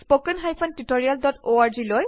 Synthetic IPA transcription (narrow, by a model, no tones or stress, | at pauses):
spokɛnɦajpʰɔntutoɹijaldɔtoaɹziloj